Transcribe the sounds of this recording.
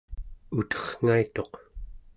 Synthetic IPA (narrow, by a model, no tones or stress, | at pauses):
ut̪ʌ̥χŋ̥ait̪o̞q